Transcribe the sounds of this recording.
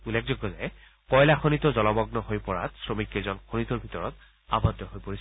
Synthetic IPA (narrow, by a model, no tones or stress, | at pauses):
ulek̚zɔɡɔzajɛ | kɔjlaxonitɔzɔlɔmɔɡnɔɦojpɔɹa̰tsɹomikezɔnxonitɔɹbʱitɔɹɔt | a̰bɔdːɔɦojpoɹis